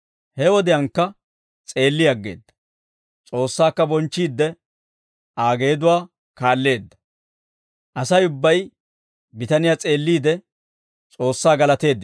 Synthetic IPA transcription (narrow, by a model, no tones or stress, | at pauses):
hɛwɔd̪ɪjɐŋkːɐ | t͡sʼe̞ːlːɪjɐɡːe̞̰ːd̪ːɐ̥ | t͡sʼo̞ːsːaːkːɐbɔnt͡ʃːiːd̪ːɛ | ʔaːɡe̞ːd̪ʊwaː | kaːlːe̞ːd̪ːɐ̥ | ʔɐsɐjʊbːɐj | bɪt̪ɐnɪjat͡sʼe̞ːlːiːd̪ɛ | t͡sʼo̞ːsːaːɡɐlɐt̪e̞ːd̪ː